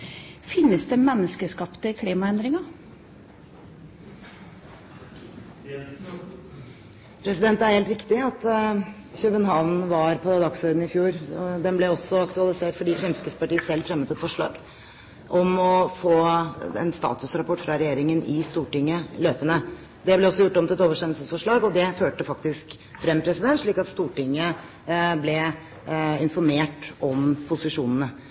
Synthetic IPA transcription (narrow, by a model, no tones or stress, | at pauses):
fɪnːəsd̪eːmɛnːəskəskɑpt̪əkʰliːmɑɛnd̪ɾɪŋɑ | pʰɾɛsɪd̪ɛnt̪æɾheːlt̪ɾɪkt̪ɪɑt̪ | çøbənɦɑʋnʋɑɾpʰɔd̪ɑkshœʏd̪n̩ɪfjuːɾɔd̪ɛnblɛɔsːɔɑkt̪ʉɑlɪseːʈfɔɖiːfɾɛmskəspɑʈiːəsɛlːfɾɛmːət̪ɛt̪fɔʂɭɑ̰ːɡ | ʔɔmɔfoːɛ̰nst̪ɑ̰ːt̪ʉsɾɑpʰɔʈːfɾɑɾɛjeːɾɪŋənɪst̪uːʈɪŋːəløːpənə | d̪ɛblɛɔsːɔjʊʈːɔmt̪ɪlɛt̪oːʋəʂʈ̪ɛmlsəsfɔʂɭɑːɡɔd̪ɛføːʈəfɑkt̪ɪsk | fɾɛmpʰɾɛsɪd̪ɛnt̪ʂɭiːkɑt̪st̪uːʈɪŋːə | blɛ | ɪnfɔɾmeːʈɔmpʰʊsɪʂuːnənə